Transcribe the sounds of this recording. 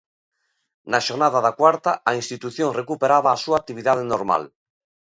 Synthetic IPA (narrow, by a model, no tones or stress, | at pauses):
naʃoɾnaðaðakwaɾt̪aaĩnst̪it̪uθjoŋrekupeɾaβaːsuaːk̚t̪iβ̞iðað̞enoɾma̰l